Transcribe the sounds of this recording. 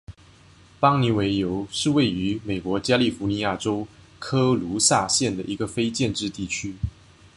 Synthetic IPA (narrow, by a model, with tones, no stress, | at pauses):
pɑ˥ŋni˧˥we˧˥ɪjo˧˥ʊʂɻ̩˥˧we˥˩ɪy˧˥me˨˩ɪkwɔ˧˥t͡ɕja˥li˥˩fu˧˥ni˧˥ja˥˩ʈ͡ʂo˥ʊ | kʰɤ˥lu˧˥sa˥˧ɕjɛ˥˩nd̪ə˩ʔi˧˥ɡə˧fe˥ɪt͡ɕjɛ˥˧nʈ͡ʂɻ̩˥˧t̪i˥˩t͡ɕʰy˥